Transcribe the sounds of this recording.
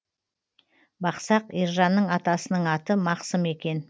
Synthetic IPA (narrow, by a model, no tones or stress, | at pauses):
bɑqsɑqiɾʒɑnːəɴɑt̪ɑsənəɴɑt̪əmɑqsəme̞kʲe̞n